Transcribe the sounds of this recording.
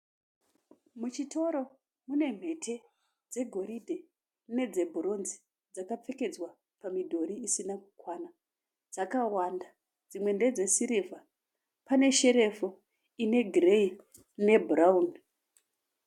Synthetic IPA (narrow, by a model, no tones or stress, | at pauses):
mut͡ʃitʰo̞ɾo̞ | mune̞m̤e̞tʰe̞ | d͡ze̞ɡʱo̞ɾidʱe | ne̞d͡ze̞bʱuro̞nzi̥ | d͡zakap͡feke̞d͡zwa | pamidʱo̞ɾiisinakukwana | d͡zakawanda | d͡zimwe̞nde̞d͡ze̞siɾivʱa | pane̞ʃe̞ɾe̞fo | ine̞ɡʱirei | ne̞bʱraun